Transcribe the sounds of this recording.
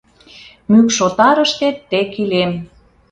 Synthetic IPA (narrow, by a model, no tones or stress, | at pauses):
mykʃot̪ɑɾəʃt̪et̪ːekilem